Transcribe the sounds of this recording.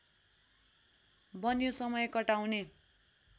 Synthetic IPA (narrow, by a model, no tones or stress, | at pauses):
bʌnjosʌmʌjkʌʈawne